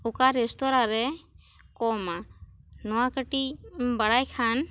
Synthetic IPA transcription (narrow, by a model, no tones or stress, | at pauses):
ukaɾɛst̪ɔɾaɾɛ | kɔmanɔwakəʈibaɽajkʰan